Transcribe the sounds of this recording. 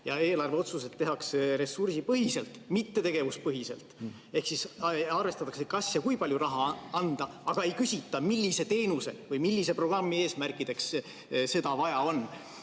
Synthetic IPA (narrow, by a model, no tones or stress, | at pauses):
jɑe̞ːlɑrveo̞t̪suset̪ːe̞ɦɑksɾe̞sursipɤɦise̞lt̪ˑmit̪ːe̞t̪e̞ɡ̥e̞vuspɤɦise̞̰lt̪ˑ | e̞hksisɑrve̞st̪ɑt̪ːˑɑksekɑsjɑkujpɑljuɾɑɦɑɑnd̪̥ɑ | ɑɡ̥ɑe̞jkysʲit̪ːˑɑmilʲːise̞t̪e̞ːnuse̞̰vɯjmilʲːise̞pro̞ɡ̥rɑmːie̞ːsmærkˑid̪̥e̞ks | se̞d̪̥ɑvɑjɑo̞n